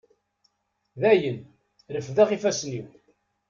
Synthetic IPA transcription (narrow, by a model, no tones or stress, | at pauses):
ðæjən | ɾəfðæχifæsniw